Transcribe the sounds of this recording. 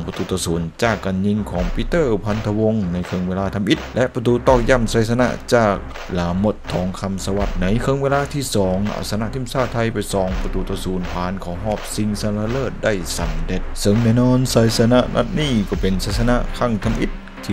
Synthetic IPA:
ŋpa˧t̪uː˧˩t̪ɔː˧suː˨˦nt͡ɕaː˧˩kːa˨nɲi˧ŋkʰɔː˨˦ŋpʰi˧˥t̪ɤː˥˩pʰa˧nt̪ʰa˧wo˧ŋna˧˥jkʰɤ˧ŋweː˧laː˧t̪ʰa˧mʔi˧˥t̪̚lɛ˦˧ʔpa˧t̪uː˧t̪ɔː˧˩k̚ja˧˩msa˨˧˦sa˧na̰˧˥t͡ɕaː˧˩k̚ | laː˨˦mo˧˩t̪ʰːɔː˨˦ŋkʰa˧msa˧wa˧˩t̪̚na˧˥jkʰɤ˧ŋweː˧laː˧˥t̪ʰiː˧˥˩sɔː˩˦ŋʔa̰˧˩sa˧na˧ʔt̪ʰi˧˩msaː˧˩t̪ʰːa˧jpa˧˩jsɔː˨˦ŋpa˧t̪uː˧˩t̪ɔː˧suː˨˦npʰaː˨˦nkʰɔː˨˦ɦɔː˧˥˩p̚si˧ŋsa˧mla˧lɤː˧˩t̪̚da˧˥˩jsa˨˦mde˧t̪̚sɯ˧˩˨ŋnɛː˧˩nɔː˧˥nsa˨˦jsa˧na˧ʔna̰˧˩t̪̚niː˧˥˩kɔː˧˩pe˨nsaː˧˩sa˧na̰˧˥kʰa˧˩ŋt̪ʰa˧mʔi˧˥t̪̚ʰːiː˧˩

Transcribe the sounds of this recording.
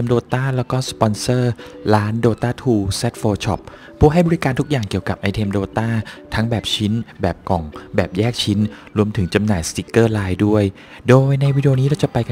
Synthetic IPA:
e˧mdoː˧t̪aː˥˩lɛː˦˥wkɔː˥˩spɔ˧nsɤː˥˩laː˦˥ndoː˧t̪aː˥˩t̪ʰuː˧se˦˥t̪̚foː˧t͡ɕʰɔ̰˦˥p̚ʰː | uː˥˩ɦa˥˩jbɔː˧ɾi˦˥kaː˧nt̪ʰu˦˥k̚jaː˨˩ŋki˨˩əwka˨˩p̚ʔa˧jt̪ʰeː˧mdoː˧t̪aː˥˩t̪ʰa˦˥ŋbɛː˨˩p̚t͡ɕʰi˦˥nbɛː˨˩p̚kɔ˨˩ŋbɛː˨˩p̚jɛː˥˩k̚t͡ɕʰi˦˥nɾu˧əmt̪ʰɯ˩˦ŋt͡ɕa˧mnaː˨˩jst̪i˦˥kːɤː˥˩laː˧jdu˥˩əj | doː˧jna˧jwiː˦˥di˧o˧niː˦˥ɾa˧˥wt͡ɕa˨˩pa˧jka˧

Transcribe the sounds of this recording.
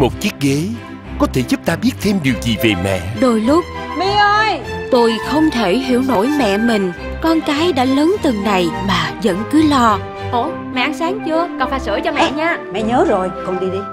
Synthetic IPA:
mo˨˩t̚t͡ɕi˦˥ək̚ɣe˨˦ | kɔ˨˦t̪ʰe˧˩zu˦˥p̚t̪aː˧ɓi˦˥ət̚t̪ʰe˧mɗi˨˩wzi˨˩ve˨˩mɛ̰˧˨ɗo˧˩jlʊ˦˥k͡p̚mi˧˦ʔə˧jt̪o˧jxə˧wŋ͡mt̪ʰe˧˩ɦḭ˧˥əwno̰˧˥˨jmɛ̰˧˨mï˨˩ŋ̟ | kɔ˧nkaː˨˦jɗa̰ː˧˥ləː˨˦nt̪ɨ˨˩ŋna˨˩jmaː˨˩zə̰˧˥nkɨ˨˦lɔ˧ | ʔo˧˩˦ | mɛ̰˧˨ʔa˧nsaː˨˦ŋt͡ɕɨ˧əkɔ˨˩nfaː˨˩jsə̰˧˩jt͡ɕɔ˧mɛ̰˧˨ɲaː˧mɛ̰˧˨ɲəː˨˦zo˨˩jxwŋ͡mɗi˧ɗi˧

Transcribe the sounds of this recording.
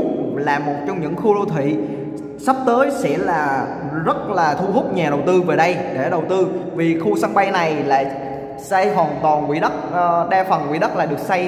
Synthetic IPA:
laː˨˩mːo˨˩t̚t͡ɕɔ˧ŋ͡mɲɨ̰˧˥ŋxu˧lo˧t̪ʰwḭ˧˨ | sa˦˥p̚t̪əː˨˦jsɛ̰˧˥laː˨˩ | zə˦˥t̚laː˨˩t̪ʰu˧hʊ˦˥k͡p̚ɲaː˨˩ɗə˨˩wt̪ɨ˧veː˨˩ɗə˧jɗḛ˧˩ɗə˨˩wt̪ɨ˧vi˨˩xu˧sa˧ŋɓa˧jna˨˩jla̰ː˨˧˩ | sa˧jɦwaː˨˩nt̪waː˨˩nkwḭ˧˥ɗə˦˥t̚ːɗaː˧fə˨˩nkwḭ˧˥ɗə˦˥t̚laː˨˩ɗɨ˨˩ək̚sa˧j

